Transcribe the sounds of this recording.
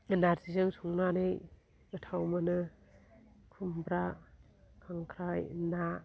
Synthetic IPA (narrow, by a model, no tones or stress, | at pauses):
naɾtizɯŋtʰuŋnanɯj | ətʰawmanɯ | kʰumbɾa | kʰaŋkʰɾajna